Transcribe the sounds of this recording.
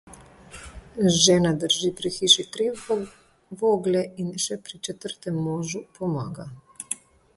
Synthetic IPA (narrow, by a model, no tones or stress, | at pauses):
ʒɛːnad̪əɾʒiːpɾixiːʃit̪ɾi | ʋoːɡlɛinʃɛpɾit͡ʃɛt̪əɾt̪ɛmːoːʒupʰɔmaːɡa